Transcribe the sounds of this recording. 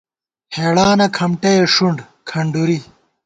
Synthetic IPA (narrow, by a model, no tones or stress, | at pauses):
heːɽaːnɐkʰɐmʈeʂuɳɖ | kʰɐɳɖuɾi